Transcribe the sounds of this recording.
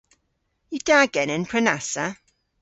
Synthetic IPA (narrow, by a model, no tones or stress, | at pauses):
jəd̥aɡɛnɛnpʰɹənasə